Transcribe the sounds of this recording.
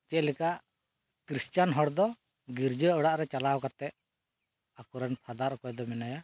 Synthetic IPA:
t͡ʃɛʔ̪lɛkaʔ | kɾist͡ʃanɦɔɽd̪ɔ | ɡiɾd͡ʒəəɽaʔɾɛt͡ʃalawkat̪ɛʔ | akɔɾɛnpʰad̪aɾkɔjd̪ɔmɛnaja

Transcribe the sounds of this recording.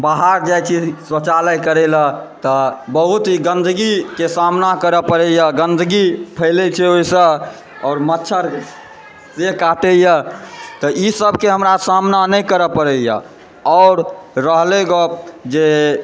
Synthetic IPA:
baɦaɾd͡ʒajt͡ʃʰisət͡ʃaləjkəɾɛlat̪ɔbəɦut̪iɡənd̪ʱɡikesamnakəɾəpəɾɛjaɡənd̪ʱɡipʰəɪlɛt͡ʃʰɛoisə | ɔːɾmətːʃʰəɾ | sekaʈejat̪ɔisəbʱkeɦəmɾasamnanəjkəɾəpəɾɛja̰ | ɔːɾːəɦleɡɔd͡ʒe

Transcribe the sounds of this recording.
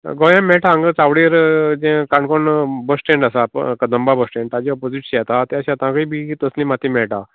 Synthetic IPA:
ɡɔjãmɛʈʰaːŋɡət͡saʋɽiɾd͡ʑẽkaɳkɔɳbəsʈẽɳʈasakəd̪əmbabəsʈẽɳʈad͡ʑiɔpod͡ziʈɕat̪at̪eaɕãt̪ãkəibʱit̪əslĩmat̪ʰimɛɭʈa

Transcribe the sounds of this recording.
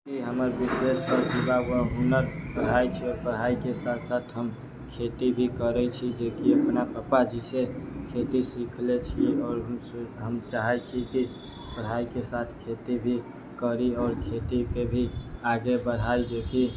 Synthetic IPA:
kiɦəməɾbisesʈɔɾt̪ibaɡəɦunəɾpəɽ̤ɦait͡ʃʰiɔɾpəɽɦaikesat̪ʰsat̪ʰɦəm | kʰet̪ibʱikəɾɛt͡ʃʰid͡ʒekiəpnapəpad͡ʒisekʰet̪isikʰlet͡ʃʰiɔːɾɦəmɦəmt͡ʃaɦɛt͡ʃʰiki | pəɽ̤aikesat̪ʰkʰet̪ibʱi | kəɾiɔːɾkʰet̪ikebʱiaɡebəɽ̤aid͡ʒeki

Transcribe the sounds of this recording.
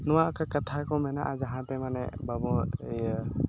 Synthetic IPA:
nɔwaakakat̪ʰakɔwmɛnaʔazaɦãt̪ɛmanɛ̰babɔ

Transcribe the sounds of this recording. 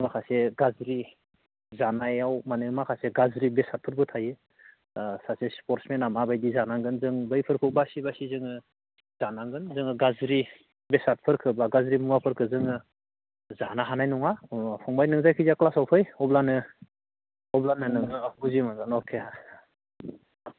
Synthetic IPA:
makʰaseɡazɾi | zanajawmanɯmakʰaseɡazɾibesat̚pʰɯɾbʰɯtʰajɯ | sasespɔɾtsmenamabajdizanaŋɡɯnzɯŋbɯjpʰɯɾkʰɯbasibasizɯŋɯ | zanaŋɡɯnzɯŋɯɡazɾi | besat̚pʰɯɾkʰɯbaɡazɾimuŋapʰɯɾkʰɯzɯŋɯ | zanaɦanajnɔŋapʰɔŋbajnɯŋzajkʰizaklasawpʰɯjɔblanɯ | ɔblanɯnɯŋɯauzimaɡɯnɔkʰea

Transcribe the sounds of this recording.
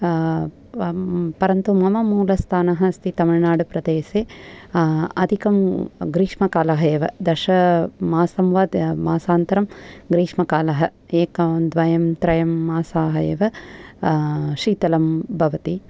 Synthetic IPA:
pɐɾɐnt̪umɐmɐmuːlɐst̪ʰaːnɐɦɐst̪it̪ɐmɐɭnaːɽupɾɐd̪eːseː | ɐd̪ʱikɐmɡɾiːʂmɐkaːlɐɦɐjeːʋɐd̪ɐʃɐmaːsɐmʋaːd̪maːsaːnt̪ɐɾɐmɡɾiːʂmɐkaːlɐɦɐ | eːkɐd̪ʋɐjɐmt̪ɾɐjɐmːaːsaːɦɐjeːʋɐ | ʃiːt̪ɐlɐmbʱɐʋɐt̪i

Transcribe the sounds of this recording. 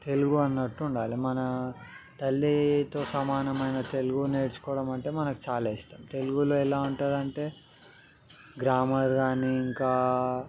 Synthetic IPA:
t̪e̞luɡuɐnːɐʈːuːɳɖaːlimɐnɐ | t̪ɐlːit̪o̞ːsɐmaːnɐmɐjnɐt̪e̞luɡuneːɽskɔːɽɐmɐɳʈe̞ːmɐnɐku̥t͡ʃaːleist̪aːmt̪e̞luɡuloːɛlaːuɳʈaːɽɐɳʈe̞ː | ɡɾaːmɐɾɡaːniːiŋkaː

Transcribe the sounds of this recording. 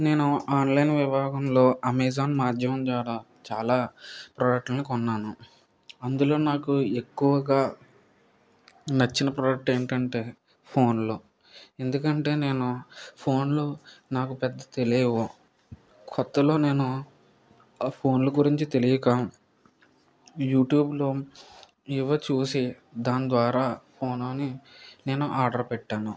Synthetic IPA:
ne̞ːnuaːnlɐjnʋibʱaːɡɐmlo̞ːɐmeːzaːnmaːd͡ʒ̪ʱjɐmɐmt͡ʃaːɾaː | t͡ʃaːlaːpɾɐːjɐk̚ʈɐnːikɔnːaːnu | ɐnd̪ulo̞ːnaːkue̞kːuʋɐɡaː | nɐt͡ʃːinɐpɾɐːɖjɐk̚ʈe̞ːɳʈɐɳʈe̞ː | pʰo̞ːnlo | e̞nd̪ukɐɳʈe̞ːne̞ːnupʰo̞ːnlunaːkupɛd̪ːɐt̪e̞liːʋo | kʰɔt̪ːɐlo̞ːne̞ːnu | pʰo̞ːnluɡuɾiɲt͡ʃit̪e̞lijɐkaː | juːʈjuːbloː | iʋɐt͡ʃuːsi | d̪aːnd̪ʋaːɾaːpʰo̞ːnloːnine̞ːnuʔaːɾɖɐɾpɛʈːaːnu

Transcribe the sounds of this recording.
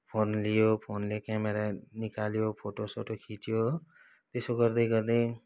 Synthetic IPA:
pʰonlijopʰonlekameɾanikaljopʰoʈosoʈokʰiʈijo | t̪esoɡʌrd̪ʌjɡʌɾd̪ʌj

